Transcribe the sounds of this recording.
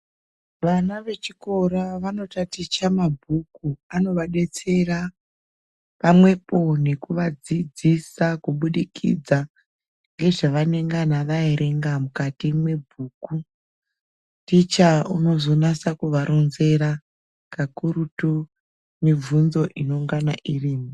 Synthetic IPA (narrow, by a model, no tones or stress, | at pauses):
ʋanaʋe̞t͡ʃiko̞ɾaʋano̞tatit͡ʃamabʱukuano̞ʋaɗe̞t͡se̞ra | pamwe̞po̞ne̞kuʋad͡zid͡zisakuɓuɗikʰḭd͡za | ŋɡe̞ʐaʋane̞ŋɡanaʋaeɾe̞ŋɡamukatimwe̞bʱuːku | tit͡ʃauno̞zo̞nasakuʋaɾo̞nze̞ɾa | kakuɾutu | mivʱunzo̞ʔino̞ŋɡanaʔiriːmi